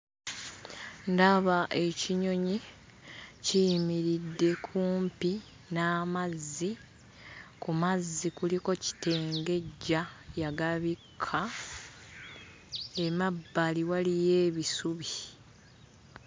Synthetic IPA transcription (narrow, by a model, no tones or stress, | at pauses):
ndaβaʔe̞ciɲo̞ɲi | cijmiɾidːe̞kʰuːmpi | naːmazːi | kumazːikuliko̞ci̥te̞ːŋɡe̞ɟːajaɡaβikʰːa | e̞mabːaliwalije̞ːβisuβi